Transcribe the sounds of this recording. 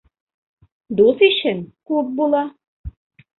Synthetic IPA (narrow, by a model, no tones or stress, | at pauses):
d̪usiʃɘnkup̚bulˠɑ